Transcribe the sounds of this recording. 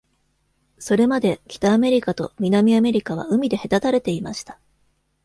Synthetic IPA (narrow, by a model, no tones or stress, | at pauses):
so̞ɾe̞mad̪e̞kʲi̥t̪aːme̞ɾʲikat̪o̞̰mʲinamʲiame̞ɾʲikaβ̞a̰ɯ̟mʲid̪e̞he̞t̪at̪aɾe̞t̪e̞imaɕi̥t̪ḁ